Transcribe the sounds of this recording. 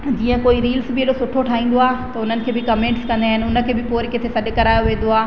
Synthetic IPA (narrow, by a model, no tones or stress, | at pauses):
d͡ʑiːə̃koːiɾiːlsbɪeɗosʊʈʰoʈʰaːɦĩːn̆d̪oaːɦt̪ɐʊn̤ənɪ̆kʰeːbɪkɐmẽːɳʈskɐ̃nd̪eiaːɦɪnɪʊnə̆kʰeːbɪpoːɾket̪ʰesɐɗ̆kɐɾaːjoʋẽːn̆d̪oaː